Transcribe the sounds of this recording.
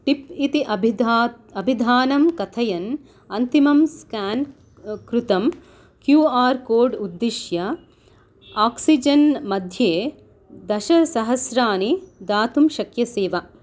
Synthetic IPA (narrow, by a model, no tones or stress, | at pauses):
ʈipit̪iʔɐbʱ | ɐbʱid̪ʱaːnɐmkɐt̪ʰɐjɐn | ɐnt̪imɐmskaːn | kɾut̪ɐm | kjuːaːɾkoːɾɖud̪ːiʃjɐ | aːksid͡ʒɐnmɐd̪ʱjeː | d̪ɐʃɐsɐɦɐsɾaːnid̪aːt̪umʃɐkjɐseːʋɐ